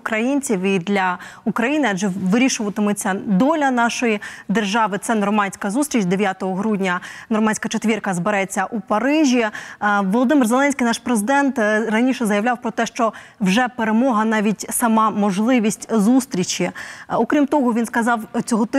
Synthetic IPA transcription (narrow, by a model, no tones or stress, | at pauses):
kɾɐjinʲt͡sʲiwid̪lʲɐukɾɐjinɪɐd͡ʒɛʋɪɾʲiʃʊʋɐt̪ɪmʊt͡sʲːɐd̪ɔlʲɐnɑʃɔjid̪erʒɑʋɪt̪sɛnɔrmɑnʲsʲkɐzust̪ɾʲit͡ʃd̪eʋʲjat̪ɔɦɔɦɾudʲnʲɐnɔrmɑnʲsʲkɐt͡ʃet̪ʲʋʲirkɐzbeɾɛt͡sʲːɐʔupɐɾɪʒʲiʋɔlˠɔd̪ɪmɨrzelˠɛnʲsʲkʲijnɑʃpɾezɪd̪ɛnt̪rɐnʲiʃɛzɐjɐʋlʲawpɾɔt̪ɛʃt͡ʃɔwʒɛpeɾemɔɦɐnɑʋʲitʲsɐmɑmɔʒlˠɪʋʲisʲtʲzust̪ɾʲit͡ʃiɔkɾʲimt̪ɔɦɔʋʲinskɐzɑwt͡sʲɔɦɔt̪